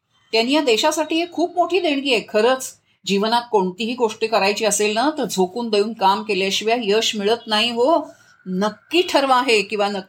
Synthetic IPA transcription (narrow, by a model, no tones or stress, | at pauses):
t̪janijad̪eɕasaʈiːɦekʰuːp̚moʈʰiːd̪eɳ̃kiekʰəɾət͡s | d͡ʑiʋənat̪̚koɳt̪iɦiːɡoʂʈikəɾajt͡ɕiːəselnət̪əɾd͡zʱokuːnd̪əjuːnkamkeljaɕiʋjajəɕmiɭət̪naɦiɦo | nəkːiːʈʰəɾʋaɦekĩw̃ʋanə